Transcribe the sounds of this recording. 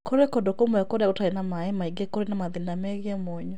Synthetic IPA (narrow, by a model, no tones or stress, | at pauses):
koɾekɔdokomɔɛkɔɾeaotaenamaɛmaiɡekoɾenamaðinamɛɣiɛmɔɲɔ